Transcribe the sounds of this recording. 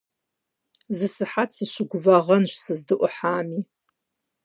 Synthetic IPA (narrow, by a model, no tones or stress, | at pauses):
zɨsɨħatsɨʃʷɪɡʷʊvaʁɐnʃsɨzdɨʔʷʊħaːmi